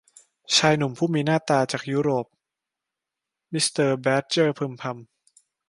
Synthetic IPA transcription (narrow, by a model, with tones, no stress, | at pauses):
t͡ɕʰaː˧jnu˨˩mpʰuː˥˩miː˧naː˥˩t̪aː˧t͡ɕaː˨˩k̚juː˦˥ɾoː˨˩p̚ | mi˦˥st̪ɤː˧bɛː˦˥t̪̚t͡ɕɤː˥˩pʰɯ˧mpʰa˧m